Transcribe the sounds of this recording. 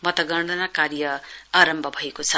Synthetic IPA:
mʌt̪ʌɡʌɳɖʱʌnakaɾjʌaɾʌmbʱʌbʱʌekot͡sʰʌ

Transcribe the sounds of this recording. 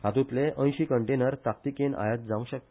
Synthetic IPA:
ɦat̪ut̪leʔə̃j̃ɕikəɳʈenəɾt̪ak̚t̪ikena̰jət̪̚d͡zãʋũɕək̪̚

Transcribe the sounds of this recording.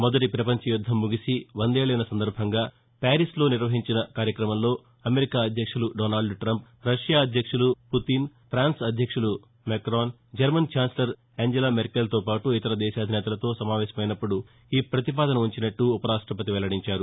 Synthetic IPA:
mɔd̪ɐʈipɾɐpɐɲt͡ʃɐjud̪ʱːɐmːuɡisiʋɐnd̪eːɭɐjnɐsɐnd̪ɐɾbʱɐŋɡaː | paːɾislo̞ːniɾʋɐɦiɲt͡ʃinɐkaːɾjɐkɾɐmɐmlo̞ː | ɐmeɾikaːɐd̪ʱjɐkʂuluɖoːnaːlɖʈɾɐmp | ɾɐʂjaːɐd̪ʱjɐkʂuluput̪inpʰɾaːnsɐd̪ʱjɐkʂulu | mekɾaːn | d͡ʒɐɾmɐnt͡ʃaːnslɐɾ | eɲd͡ʒɐlaːmeɾkelt̪o̞ːpaːʈuit̪ɐɾɐd̪ɛːʃaːɐd̪ʱinɛːt̪ɐlɐt̪o̞ːsɐmaːʋɛːʃɐmɐjnɐpːuɽu | iːpɾɐt̪ipaːd̪ɐnɐuɲt͡ʃinɐʈːuːpɐɾaːʂʈɾɐpɐt̪iʋɛlɐɽiɲt͡ʃaːɾu

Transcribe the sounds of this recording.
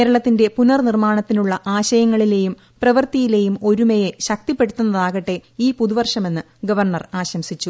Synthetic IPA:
eːɾɐɭɐt̪ːinde̞punɐrnirmaːɳɐt̪ːinuɭːɐʔaːɕɐjɐŋːɐɭile̞ːjum | prɐʋɐrt̪ijile̞ːjumo̞ɾumejeɕɐk̚t̪ipːe̞ɽut̪ːunːɐðaːɣɐʈːe̞iːpuðuʋɐrʂɐme̞nːɨ | ɡɐʋɐrɳɐraːɕɐmsit͡ɕːu

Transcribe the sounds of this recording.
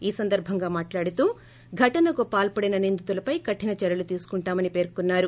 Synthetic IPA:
iːsɐnd̪ɐɾbʱɐŋɡaːmaːʈlaːɽit̪uː | ɡʱɐʈɐnɐkupaːlpɐɽinɐnind̪ut̪ulɐpɐjkɐʈʰːinɐt͡ʃɛɾɐlut̪iːsu̥kuɳʈaːmɐnipe̞ːɾkunːaːɾu

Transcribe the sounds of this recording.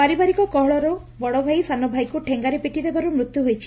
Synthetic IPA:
paɾibaɾikɔkɔɦɭɔɾɔ | bɔɽɔbʱajsanɔbʱajkuʈʰeŋɡaɾepiʈid̪ebaɾumɾut̪juɦojt͡ʃʰi̥

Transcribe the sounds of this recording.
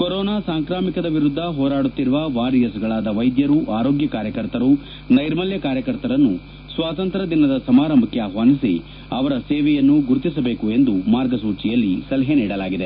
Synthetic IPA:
koɾɔːnaːsaːŋkɾaːmikɐd̪ɐʋiɾud̪ʱːɐɦɔːɾaːɽut̪ːiɾuʋɐʋaːɾijɐsɡɐɭaːd̪ɐʋɐjd̪jɐɾuʔaːɾo̞ːɡjɐkaːɾjɐkɐɾt̪ɐɾu | nɐjɾmɐljɐkaːɾjɐkɐɾt̪ɐɾɐnːu | sʋaːt̪ɐnt̪ɾɐd̪inɐd̪ɐsɐmaːɾɐmbʱɐkːeaːɦʋaːnisi | ɐʋɐɾɐseːʋɛjɐnːuɡuɾt̪isɐbe̞ːkue̞nd̪umaːɾɡɐsuːt͡ʃijɐlːisɐlɐɦeniːɽɐlaːɡid̪e

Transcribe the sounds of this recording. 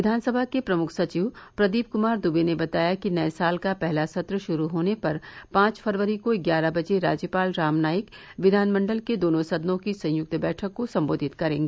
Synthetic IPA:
ʋɪd̪ʱaːnsəbʱakepɾɐmʊkʰsɐt͡ʃiːʋpɾɐd̪iːbkʊmaːɾd̪ubenebɐt̪aːjakinɐesaːlkapɛɦlasɐt̪ɾəʃʊɾuɦoːnepɐɾpãːt͡ʃfʰɐɾʋəɾikoɪɡjaːɾabɐd͡ʒeɾa̰ːd͡ʒjəpaːlɾaːmnaːjəkʋɪd̪ʱaːnmə̃ɳɖəlked̪oːnõsɐd̪nõkisɐ̃j̃jʊk̚t̪bɛːʈʰəkːosɐ̃mboːd̪ʱɪt̪kɐɾẽːŋɡeː

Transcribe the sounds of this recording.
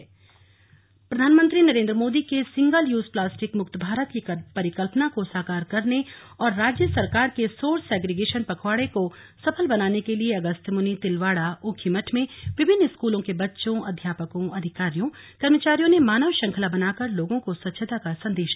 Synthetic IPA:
pɾɐd̪ʱaːnmə̃nt̪ɾinɐɾẽːnd̪ɾəmoːd̪ikesɪ̃ŋɡəljuːzplaːsʈɪkmʊk̚t̪bʱaːɾət̪kipɐɾɪkəlpnakosaːkaːɾkɐɾne | ɔːɾːaːd͡ʒjəsɐɾkaːɾkesoːɾsɛːɡɾeɡeːʃənpɐkʰʋaːɽeko | sɐpʰəlbɐnaːnekelieɐɡəst̪ʰmʊnit̪ɪlʋaːɽaʔʊːkʰimɐʈʰmẽʋɪbʱɪnːɪskuːlõkebɐtːʃõʔɐd̪ʱjaːpəkõʔɐd̪ʱɪkaːɾijõ | kɐɾmət͡ʃaːɾijõnemaːnəʋʃɐ̃ŋkʰəlabɐnaːkəɾloːɡõkosɐt̪ːʃʰət̪akasɐ̃nd̪eːʃ

